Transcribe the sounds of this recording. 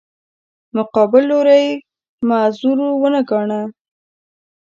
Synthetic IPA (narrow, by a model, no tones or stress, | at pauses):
mʊqɑbɪlːoɾaj | mazuɾowənaɡɑɳa